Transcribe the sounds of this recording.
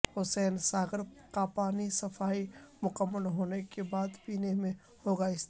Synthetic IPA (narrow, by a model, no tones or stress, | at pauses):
hʊsɛːnsaːɡəɾqaːpaːnisɐfaːimʊkəmːəlɦoːnekebaːd̪piːnemẽ | hoːɡaɪst̪